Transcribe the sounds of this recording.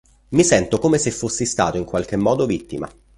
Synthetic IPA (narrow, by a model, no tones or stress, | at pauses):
misɛnt̪okoːmesefːosːist̪a̰ːt̪oiŋkwalk̟emːɔːd̪ovit̪ːima̰